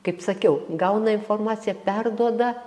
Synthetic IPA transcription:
kɐɪpsɐkʲɛʊɡɐʊnɐɪnformɑːt͡s̪ʲɪjɛpʲɛrd̪uɔd̪ɐ

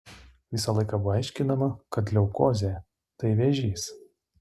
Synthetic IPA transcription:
ʋʲɪsɐlˠɐɪkɑboɐɪʃʲkʲɪnɐmɐkɐt̪lʲɛʊkoːzʲe | t̪ɐɪʋʲɛʒʲiːs

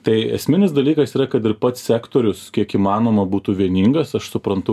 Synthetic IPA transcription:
t̪ɐɪɛ̰sʲmʲɪnʲɪsd̪ɐlʲiːkɐsiːɾɐkɐt̪ɪɾpɐt̪sʲsʲæːkt̪oːɾʲʊskʲiɛkiːmɑːnoːmɐbuːt̪uːʋʲiɛnʲiŋɡɐsɐʃsʊpɾɐnt̪ʊ

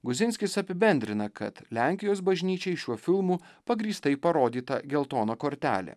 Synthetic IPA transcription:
ɡʊzʲɪnʲsʲkʲɪsɐpʲɪbʲɛnʲd̪ʲɾʲɪnɐkɐ̰t̪lʲæˑŋʲkʲɪjoːsbɐʒʲnʲiːt͡ʃʲɛɪʃʲuɔfʲɪlˠmuːpɐɡɾʲiːst̪ɐɪpɐɾoːd̪ʲiːt̪ɐɡʲɛlˠt̪oːnoːkoːɾʲt̪ʲæ̰ːlʲḛː

